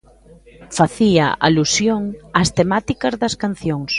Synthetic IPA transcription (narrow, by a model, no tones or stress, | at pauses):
faθia̰ʔa̰lusjoŋast̪emat̪ikɐzðɐskan̟θjoŋs